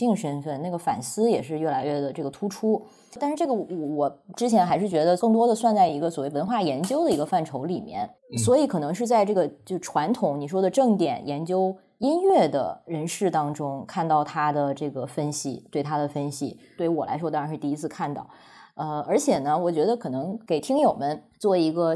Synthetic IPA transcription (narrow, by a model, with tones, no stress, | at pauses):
i˥˩ŋʂə˥nfə˥˩nna˥˩ɡə˩fa̰˨˩nsɹ̩˥jɛ˨˩ʂɻ̩˥˧ɥɛ˥˩la˧˥ɪɥɛ˥˩d̪ə˩ʈ͡ʂɤ˥˩ɡə˩t̪ʰu˥ʈ͡ʂʰu˥˧ | nʂɻ̩˥˧ʈ͡ʂɤ˥˩ɡə˩wɔ˧˩wɔ˨˩ʈ͡ʂɻ̩˥t͡ɕʰjɛ˧˥nxa˧˥ɪʂɻ̩˥˩t͡ɕɥɛ˧˥d̪ə˧kɤ˥˩ŋt̪wɔ˥d̪ə˨swa˥˧nt͡sa˥˩ɪi˧˥ɡə˧swwe˥˩ɪwə˧˥nxwa˥˩jɛ˧˥nt͡ɕjo˥ʊd̪ə˨i˧˥ɡə˧fa˥˩nʈ͡ʂʰo˧˥ʊli˨˩mjɛ̰˥˩nswɔ˧˥i˧˥kʰɤ˨˩nɤ˧˥ŋʂ̬ɻ̩˥˧t͡sa˥˧ɪʈ͡ʂɤ˥˩ɡə˩t͡ɕjo˥˩ʊʈ͡ʂʰwa˧˥nt̪ʰʊ˧˥ŋni˨˩ʂ̬wɔ˥d̪ə˨ʈ͡ʂɤ˥˩ŋt̪jɛ̰˨˩njɛ˧˥nt͡ɕjo˥ʊ | i˥nɥɛ˥˩d̪ə̰˩ɻə˧˥nʂɻ̩˥˩t̪ɑ˥ŋʈ͡ʂʊ˥ŋkʰa˥˧nt̪ɑ˥˩ʊt̪ʰa˥d̪ə˨ʈ͡ʂɤ˥˩ɡə˩fə˥nɕḭ˨˩t̪we˥˩ɪt̪ʰa˥d̪ə˨fə˥nɕḭ˨˩t̪we˥˩˥wɔ˨˩la̰˧˥ɪʂwɔ˥a˧˥nʂɻ̩˥˧t̪i˥˧i˥t͡sʰɹ̩˥˧kʰa˥˧nt̪ɑ̰˥˩ʊ | ə˧ə˞˧˥t͡ɕʰjɛ˨˩nə˦wɔ˨˩t͡ɕɥɛ˧˥d̪ə˧kʰɤ˨˩nɤ˧˥ŋke˨˩ɪt̪ʰi˥ŋjo˨˩ʊmə˦nt͡swɔ˥˩i˧˥ɡə˧